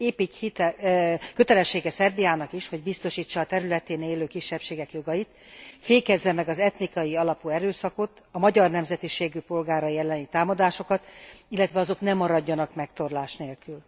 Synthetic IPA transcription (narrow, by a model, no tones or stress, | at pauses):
eːpichit̪ɛkø̞t̪ɛlɛʃːeːɡɛsɛrbijaːnɒkiʃho̞ɟ̚bist̪o̞ʃiːt͡ʃːɒːt̪ɛɾylɛt̪eːneːløːkiʃːɛpʃeːɡɛkjo̞ɡɒjit̪ | feːkɛzːɛmɛɡɒzɛt̪nikɒjiɒlɒpuɛɾøːsɒko̞t̪ | ɒmɒɟɒrnɛmzɛt̪iʃeːɡypo̞lɡaːɾɒjiɛlːɛnit̪aːmɒd̪aːʃo̞kɒt̪ilːɛt̪ʋɛɒzo̞knɛmːɒɾɒɟːɒnɒkmɛkt̪o̞rlaːʃneːlkyl